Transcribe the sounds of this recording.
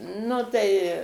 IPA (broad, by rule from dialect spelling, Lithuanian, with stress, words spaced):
ˈnʊ tɐɪ